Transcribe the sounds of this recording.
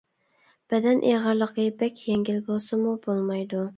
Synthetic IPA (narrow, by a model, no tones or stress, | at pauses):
b̥ɛd̪ɛnʔḛʁəɾlˠəqəbɛkʲjeŋɡʲilbolˠsɨmubolˠmɑjd̪u